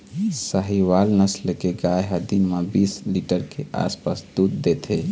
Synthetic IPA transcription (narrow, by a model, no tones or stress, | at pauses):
səɦiwalnəslekeɡajɦəd̪immabisliʈəɾkeʔa̰spasd̪ud̪ːet̪ʰe